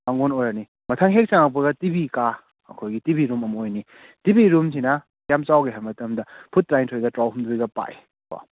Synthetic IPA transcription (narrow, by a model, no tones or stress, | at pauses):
aŋonojɾɐni | mɐtʰaŋɦek̚t͡ʃaŋapuɡɐtibika | ɐ̰kʰojɡitibiɾumɐmojni | tibiɾumsʰinɐ | kjamt͡ʃawɡeɦɐɾmɐtɐmdɐpʰut̚ːɾajntʰojɡɐtɾawɦumdujɡɐpa̰ʔe | bo̰